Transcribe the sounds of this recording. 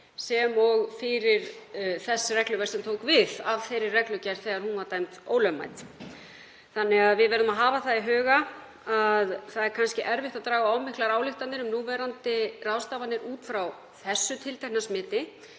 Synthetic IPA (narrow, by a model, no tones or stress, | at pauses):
sɛmɔɣfɪɾɪɾ̥θɛsːɪrɛklʏvɛsɛmt̪ʰoːwkvɪðavθejɾɪrɛklʏcɛɾ̥θɛːɣaɾhunvaɾt̪ajmt̪oːwlœma̰jt̪ | θanːɛɣaðvɪðvɛɾðʏmaðɦaːvaθaðiɦœːɣa | aðθaðɛɾkʰanscɪʔɛɾvɪht̪aðt̪ɾaːɣaaːwmɪhklaɾaːwlɪxt̪at̪nɪɾʏmnuːvɛɾant̪ɪrawst̪aːvanːɪɾuːt̪fɾaw | θɛsːʏt̪ʰɪlt̪ʰajhnasmɪːt̪ɪ